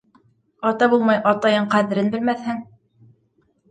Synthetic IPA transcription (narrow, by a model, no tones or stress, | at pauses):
ɑt̪ɑbulˠmɑjʔɑt̪ɑjɤɴqæðɘ̆ɾɘnbɘ̆lmæθhɘŋ